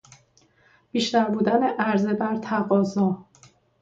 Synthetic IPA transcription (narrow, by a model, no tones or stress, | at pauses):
b̥iːʃt̪æɾbuːd̪æneʔæɾzebæɾt̪ʰæɣɒːzɒː